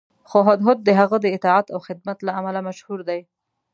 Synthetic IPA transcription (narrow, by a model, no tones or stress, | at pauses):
xoɦɑd̪ɦʊd̪̚ːəɦaɣəd̪əɪt̪ɑʕat̪awxɪd̪̚mat̪laamalamaʃhuɾd̪aj